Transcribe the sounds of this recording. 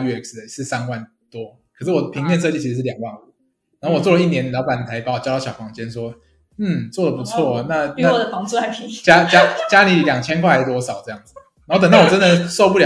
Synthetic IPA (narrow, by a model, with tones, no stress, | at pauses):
y˧˩ɛ˥ksə˩ʂɻ̩˥˩sa˦nwa˥˩n | t̪wɔ˦ | kʰə˨˩sɻ̩˥˩wɔ˨˩˧pʰi˧ŋpjɛ˥˧ns̬ɤ˥˧t͡ɕi˥˩t͡ɕʰi˧˥ʂ̩˧˥ʂ̩˥˩˨jɑ˨˩ŋwɑ˥˩ŋə˩ | na˨˧˥ho˥˩wɔ˨˩t͡swɔ˥˩lə˧i˥˩njɛ˧˦nljɑ˧˥ʊpa˨˥ni˨˩t̪ʰa˧˦ɪpa˧˥˦wt͡ɕʊt̪ɕjɑ˨˩fɑ˧˥ŋt͡ɕjɛ˥nswɔ˦˥ | n̩˥˩t͡swɔ˥˩d̪ə˩pu˧˥t͡sʰwɔ˥˩na˥˧˥a˥˩d̪ə˩fɑ˧˥ŋt͡su˥a˥˩t͡ɕja˦˥t͡ɕja˦˥t͡ɕja˦˥li˨˥˨ljɑ˨˩ŋt͡ɕʰjɛ˥nkʰwa˥˧a˧˥˩t̪wɔ˧˦sɑ˨˩ʊʈ͡ʂɤ˥˧jɑ˥˩ŋd͡znn˨˥o˥˩t̪ə˨˩n˥˩wɔ˨˩ʈ͡ʂə˦nd̪ə˨so˥˧ʊpu˥ljɑ˨